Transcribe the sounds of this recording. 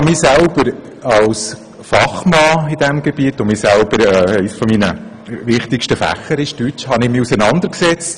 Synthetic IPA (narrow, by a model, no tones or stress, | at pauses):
miːsælb̥əɾ | ɑls | fɑχmɑːɪd̥ɛmɡɛbiətʊmiːsælb̥əɾɛːɛɪsfɔminə | ʋɪχtɪkʃtəfæ̰χːəɾɪʃtyt͡ʃhɑnɪmiusənɑnd̪əɾksɛt͡st